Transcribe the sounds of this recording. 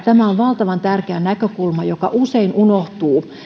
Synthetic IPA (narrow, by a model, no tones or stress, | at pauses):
t̪æmæoʋʋɑlt̪ɑʋɑnt̪ærkeænækøkulmɑjokɑʔuseinunoht̪uː